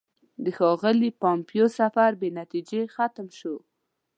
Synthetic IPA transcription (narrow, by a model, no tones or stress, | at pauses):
d̪əxɑɣəlipɑmpijosafaɾbenat̪id͡ʒexat̪mʃo